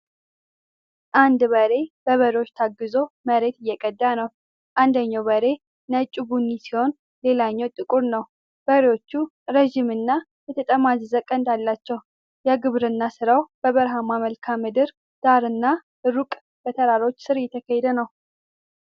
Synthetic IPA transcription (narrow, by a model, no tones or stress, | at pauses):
ʔand̪βəɾe̞bəβəɾewo̞t͡ʃːt̪ʰaɡːɨzo̞məɾe̞t̪ɪjːɛkʼəd̪ːanəw | ʔand̪əɲːawbəɾe̞ | nət͡ʃʼubunːisiho̞n | le̞laɲːɛwt̪ʼɨkʼuɾnəw | b̥əɾewo̞t͡ʃːu | ɾəʒimɨnːa | jɛt̪ʰət̪ʼəmazɨzəkʼənd̪alːat͡ʃːɛw | jɛɡɨβɾɨnːasɨɾawb̥əβəɾɦamaməlkʰamɨd̪ɨɾ | d̪̥aɾɨnːa | ɨɾukʼ | b̥ət̪ʰəɾaɾo̞t͡ʃːsɨɾjɛt̪ʰəkʰəhɛd̪ənəw